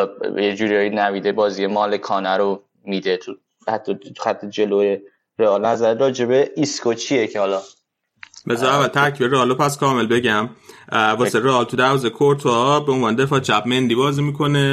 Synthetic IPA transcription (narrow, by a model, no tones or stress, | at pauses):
jed͡ʒuːɾiɒjinæmiːd̪ebɒːzijemɒːlekʰɒːnæɾo | mid̪et̪ʰu | hæt̪ʰːɒt̪ʰu̥xæt̪ʰːed͡ʒeloje | ɾeɒːlnæzæɾeɾɒːd͡ʒe̞beiskʰot͡ʃʰijecʰehɒlɒ | bezɒːævælt̪ʰæɾcʰiːbereɒːlopʰæskʰɒːmelbe̞ɟæmvɒːseɾeɒːlt̪ʰud̪æɾvɒːzekʰoɾt̪ʰːbeonvɒːned̪e̞fɒːt͡ʃʰæbme̞nd̪iːbɒːzimiːkʰo̞ne̞